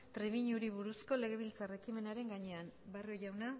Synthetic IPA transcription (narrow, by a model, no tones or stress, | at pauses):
t̪ɾeβiɲuɾiβ̞uɾusko̞le̞ɣ̞e̞β̞ilt͡sare̞kime̞naɾe̞ŋɡaɲe̞ambarioʝawna